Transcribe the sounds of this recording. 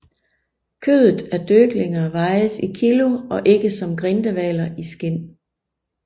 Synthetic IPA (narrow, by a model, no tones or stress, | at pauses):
kʰø̰ːðˠð̩ˠæɐd̥øɡ̥leŋɐʋɑ̈ɪsikʰilo̝ɒ̽ʔe̝ɡ̥əsɒ̽mɡ̥ʁend̥əʋɛːlɐʔisɡ̥en̰